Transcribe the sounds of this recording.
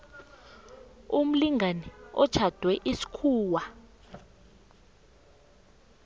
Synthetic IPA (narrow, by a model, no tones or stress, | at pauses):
um̩liŋʱanɛɔ̥t͡ʃʰad̥ʱwɛʔisi̥kʰuːwa